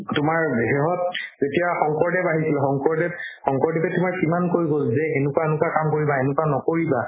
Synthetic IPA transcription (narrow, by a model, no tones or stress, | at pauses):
tʊmaɹɦɛɦɔt̚zetijaxɔŋkɔɹdɛbaɦisilɛxɔŋkɔɹdɛp̚xɔŋkɔɹdɛpɛtʊmaɹsimankoɹiɡolzɛenʊkwaenʊkwakamkoɹibaenʊkwanɔkoɹiba